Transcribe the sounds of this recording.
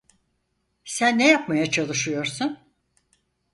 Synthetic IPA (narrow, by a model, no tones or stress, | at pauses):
sænːejapmajat͡ʃʰalˠɯʃɯjo̞ɾsun